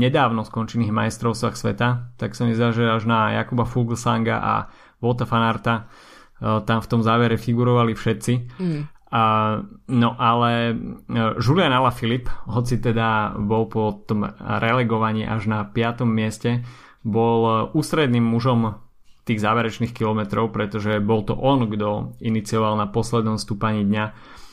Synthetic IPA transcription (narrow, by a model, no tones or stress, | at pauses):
ɲɛd̪aːʊnɔskɔnt͡ʃɛniːɣma̰jɛst̪ɾɔʊst͡st̪ʋaxsʋɛ̰t̪at̪aksamɛzd̪aːʒɛaʒnaja̰kubafulɡl̩saŋɡa̰ʔa̰ | ʋɔt̪afanaɾt̪a | t̪amft̪ɔmzaːʋɛɾɛfiɡuɾɔʋalifʃɛt̪t͡si | nɔʔalɛ | ʒulɪanalafilipɦɔt͡sit̪ɛd̪abɔlpɔt̪ɔmɾɛlɛɡɔʋaɲiːʔaʒnapɪat̪ɔmːɪɛscɛ | bɔluːst̪ɾɛd̪niːmːuʒɔm | t̪iːɣzaːʋɛɾɛt͡ʃniːxkilɔmɛt̪ɾɔʊpɾɛt̪ɔʒɛbɔlt̪ɔ̰ʔɔnɡd̪ɔinit͡siɔʋalnapɔslɛd̪nɔmst̪upaɲiːd̪ɲa